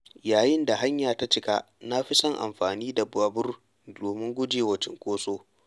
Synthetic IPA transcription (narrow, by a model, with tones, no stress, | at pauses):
jaː˨jɪ˦nda˨ɦa˦ɲjaː˨ta˦t͡ʃɪ˦ka˦ | na˦ɸi˦sɔ˦ŋʔa̰˨mɸaː˨niː˦da˨ba˦bʊ˦r | doː˨mɪ˦ŋɡʷʊ˦d͡ʒeː˨wɐ˨t͡ʃɪ˦ŋkʷʼoː˦soː˦